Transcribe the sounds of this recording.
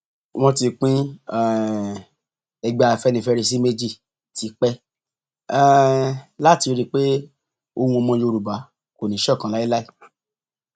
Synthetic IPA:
w̃ɔ̃˧ti˧k͡pĩ˦˨ | ɛ˧ɡ͡ba˧˨fɛ˧˦nĩ˧fɛ˧ɾi˧s̬i˦me˦d͡ʒi˦˨ | tʰi˧k͡pɛ˦˨ | la˦˨ti˧ɾi˦k͡pe˦ | o˧hũ˧o˧mɔ̃˧˦jo˧ɾu˨ba˨˦ | ko˨nĩ˨˦ʃɔ˦˨kã˨˦la˨˦i˦la˦i˦˨

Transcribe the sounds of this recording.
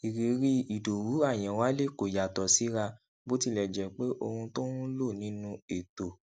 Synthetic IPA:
i˨ɾi˨ɾi˦i˨do˨wu˨˦a˦˨j̃ɛ̃˨wa˦le˦˨ko˨ja˨tɔ˨si˨˦ɾa˧ | bo˦ti˦˨lɛ˨d͡ʒɛ˨k͡pe˦ʔo˧hũ˧to˦nũ˦lo˦˨nĩ˨˦nũ˧e˨to˨

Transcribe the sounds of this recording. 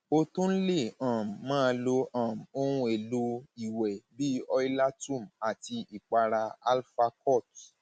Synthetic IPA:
o˧tũ˦n̩˦le˦˨ã˨m˨mãː˦˧˦lo˧ʔã˨m˨o˦ɾ̃ũ˧˦e˨lu˦i˨wɛ˨bi˦ɔ˧i˦la˦tũ˦˨m̩a˨ti˧i˨k͡pa˧ɾa˧a˧lfa˧kɔ˦˨t

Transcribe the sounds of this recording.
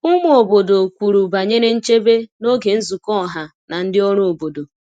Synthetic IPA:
ʊ˦mʊ˦o˨bo˨do˨kʷu˨ɾu˨ba˨ɲe˦ɾe˦n̩˦t͡ʃe˦be˦no˦ɡe˨n̩˦zu˨kɔ˦˨ɦa˨ | na˨n̩˦dɪ˦ɔ˦ɾo˦o˨bo˨do˨

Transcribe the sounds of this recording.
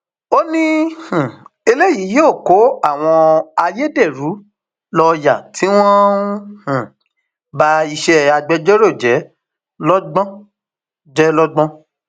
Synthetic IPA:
o˦nĩ˦hũ˨e˧le˦jiː˨˦joː˦˨ko˨˦a˦˨w̃ɔ̃˧a˧je˦de˦˨ɾu˨˦ | lɔ˧ja˨tʰi˨˦w̃ɔ̃˦hũ˨ | ba˦i˧ʃɛ˦a˧ɡ͡bɛ˦d͡ʒɔ˦ɾo˦˨d͡ʒɛ˨˦ | lɔ˦ɡ͡bɔ̃˦ | d͡ʒɛ˦lɔ˦ɡ͡bɔ̃˦

